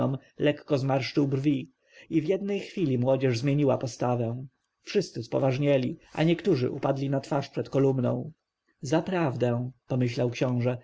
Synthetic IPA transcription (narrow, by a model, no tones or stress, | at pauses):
ɔm | lɛkːɔzmaɾʂt͡ʂɘwbrvʲi | ivjɛd̪̚nɛjxfʲilʲimwɔd͡ʑɛʐzmʲjeɲiwapɔst̪avɛ̃ | fʂɘst̪sɘspɔ̰vaʐɲɛlʲiʔa̰ɲɛkt̪uʐɘ̰ʔupad̪lʲinat̪faʂpʂɛt̪kɔlumnɔ̰̃w̃ | zapɾavd̪ɛ̃pɔmɘɕlawkɕɔ̃w̃ʐɛ